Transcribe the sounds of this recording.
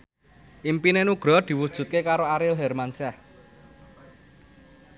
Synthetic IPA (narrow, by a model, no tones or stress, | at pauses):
ʔimpinenuɡ̥ɾɔ̤d̪̥i̤wud̥ʒ̥ṳt̪̚kekaɾoaɾɪlɦɛrmansah